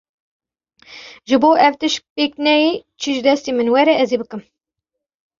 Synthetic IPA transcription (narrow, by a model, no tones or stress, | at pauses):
ʒɨboːʔɛwt̪ɨʃpeːknɛjeːt͡ʃʰiʒɨd̪ɛst̪iːmɨnwɛɾɛʔɛzebɨkɨm